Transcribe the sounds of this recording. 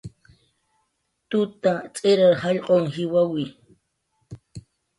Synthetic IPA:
t̪ʊt̪at͡sʼeɾaɾhɑʎqʼoŋhɪwawi

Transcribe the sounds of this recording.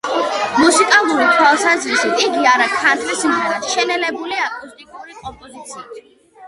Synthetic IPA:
musikʼalˠuɾit̪ʰwalˠsazɾisit̪ʰiɡiaɾakʰant̪ʰlismɛɾaʃɛnɛlɛbuliakʼust̪ʼikʼuɾikʼɔpʼɔzit̪sʰia

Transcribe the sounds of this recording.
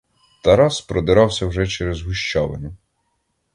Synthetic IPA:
t̪ɐɾɑspɾɔd̪ɪɾɑwsʲɐwʒɛt͡ʃɛɾezɦʊʃt͡ʃɔʋɐ̰nʲɐ

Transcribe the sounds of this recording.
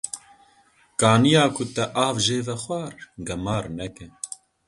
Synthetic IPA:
kɑːnijɑːkʰʊt̪ɛʔɑːvʒeːvɛxwɑːɾɡɐmɑːɾnɛkɛ

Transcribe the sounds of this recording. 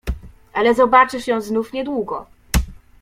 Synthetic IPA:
ʔalɛzɔbat͡ʂɘɕɛznufɲɛd̪wuɡɔ

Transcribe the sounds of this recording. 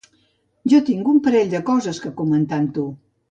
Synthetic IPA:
ʒɔt̪iŋɡumpəɾɛʎʲd̪əkɔzəskəkumənt̪ant̪u

